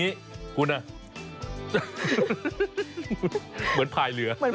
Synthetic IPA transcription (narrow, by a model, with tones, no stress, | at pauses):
iː˦˥ | kʰu˧na˧˩ | məː˨˦npʰaː˧jlɯ˩˦ɐma˧n